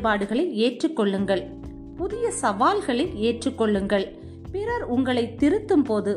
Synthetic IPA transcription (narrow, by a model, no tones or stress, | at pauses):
baːɽɯɣɐɭɐɪeːʈrɯkːɔɭːɯŋɡɐɭ | pʊðɪjɐsɐʋaːlɣɐɭɐɪeːʈrɯkːɔɭːɯŋɡɐɭ | pɪɾɐɾʊŋɡɐɭɐɪt̪ːɪɾɯt̪ːɯmpoːðɯ